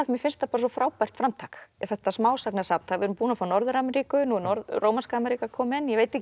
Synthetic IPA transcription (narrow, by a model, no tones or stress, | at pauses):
mjɪfɪnst̪apaːɾsɔfɾaːwpar̥t̪fɾamt̪ʰakɛθɛht̪asmaːwsaknɪasapnt̪ʰavɪɛɾʏmpuːnafawnɔɾðʏɾamɛɾiːkʏnunɔɾðroːwmanskaːmɛɾikakʰɔːmɪnjɛveːjt̪ɪhc